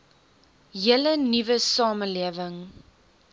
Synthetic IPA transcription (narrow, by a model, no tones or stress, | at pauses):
jələnivəsɑːməliəvəŋ